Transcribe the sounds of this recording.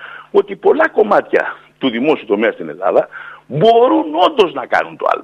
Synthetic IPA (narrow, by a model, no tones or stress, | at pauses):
o̞t̪ipo̞lɐko̞mɐt̪çɐ̰t̪uðimo̞siut̪o̞meɐst̪ine̞̰lɐ̰ðɐbo̞ɾuno̞nd̪o̞znɐkɐ̰nunt̪oɐ̰l